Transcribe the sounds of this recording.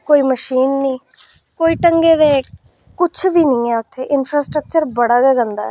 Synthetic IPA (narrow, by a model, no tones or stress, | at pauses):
koːiːməʃiːnːĩː | koːiːʈəŋɡeːd̪eː | kʊt͡ʃʰʋiːnĩːɛːʊt̪ʰːeːʔɪnpʰɾaːsʈɾək̚t͡ʃəɾbəɽaːɡɛːɡə̃nd̪a̰ɛ